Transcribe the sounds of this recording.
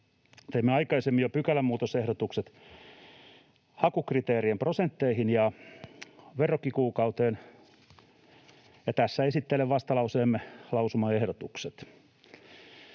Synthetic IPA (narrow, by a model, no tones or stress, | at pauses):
t̪eimːeɑikɑisemːijopykælːæmuːt̪osehɾot̪ukset̪ | hɑkukrit̪eːriemprosent̪ːeihinjɑ | ʋerːokːikuːkɑut̪eːn | jɑt̪æsːæesit̪ːeleʋʋɑst̪ɑlɑuseːmːelɑusumɑehɾot̪ukset̪